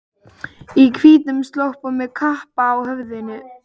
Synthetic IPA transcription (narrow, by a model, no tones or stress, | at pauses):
ikʰviːt̪nʏmst̪lowhpamːɛðkʰahpaːwhœvðɪnʏ